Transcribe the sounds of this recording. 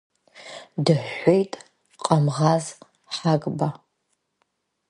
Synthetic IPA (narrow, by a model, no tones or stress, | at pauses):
dɨħʷejtʼ | qʼɐmʁɑz | ħaɡʼba